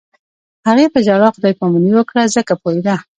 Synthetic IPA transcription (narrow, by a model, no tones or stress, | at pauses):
haɣepəd͡ʒaɽɑxʊd̪ɑjkɑmuniwəkɽazəkapojed̪a